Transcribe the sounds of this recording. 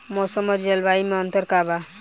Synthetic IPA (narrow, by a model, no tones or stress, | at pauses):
mosəmʌɾd͡ʒelbaimeʌnt̪ʌɾkaba